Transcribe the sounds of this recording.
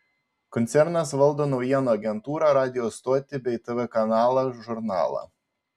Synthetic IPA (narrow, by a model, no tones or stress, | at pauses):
kɔnt̪sʲɛɾnɐsʋɐlˠd̪oːnɐʊjiɛnoɐɡʲɛnt̪uːɾɐɾɑːd̪ʲɪjɔst̪oːt̪ʲɪbʲɛɪt̪ɛʋɛkɐnɑːlˠɐʒʊɾnɑ̰ːlˠɐ̰